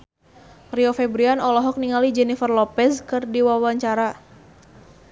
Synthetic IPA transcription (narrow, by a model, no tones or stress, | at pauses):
riɔfɛbɾianɔlɔɦɔk̚niŋalid͡ʒɛnifərlɔpɛskɨrdiwawaɲt͡ʃaɾa